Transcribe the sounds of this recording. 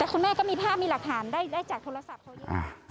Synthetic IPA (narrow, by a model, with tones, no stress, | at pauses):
t̪ɛː˨˩kʰu˧nmɛː˥˩kɔː˥˩miː˧pʰaː˥˩p̚miː˧la˨˩k̚t̪ʰaː˩˦ndaː˥˩jdaː˥˩jt͡ɕaː˨˩k̚t̪ʰoː˧ɾa˧sa˨˩p̚ʰa˧˦ʔa̰˧˩